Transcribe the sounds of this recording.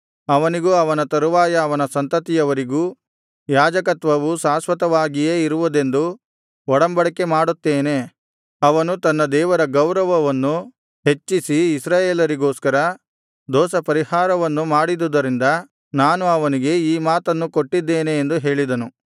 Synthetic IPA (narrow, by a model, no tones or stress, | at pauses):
ɐʋɐniɡuːɐʋɐnɐt̪ɐɾuʋaːjɐːʋɐnɐsɐnt̪ɐt̪ijɐʋɐɾiɡuː | jaːd͡ʒɐkɐt̪ʋɐʋusaːsʋɐt̪ɐʋaːɡijeːiɾuʋud̪e̞nd̪u | ɔɽɐmbɐɽɐkːe̞maːɽut̪ːeːne̞ | ɐʋɐnut̪ɐnːɐd̪ɛːʋɐɾɐɡɐwɾɐʋɐʋɐnːu | ɦe̞t͡ʃːisiːsɾaːjeːlɐɾiɡoːskɐɾɐ | d̪ɔːsɐpɐɾihaːɾɐʋɐnːumaːɽid̪ud̪ɐɾind̪ɐ | naːnuɐʋɐniɡe̞iːmaːt̪ɐnːuko̞ʈːid̪ːeːneːnd̪uɦe̞ːɭid̪ɐnu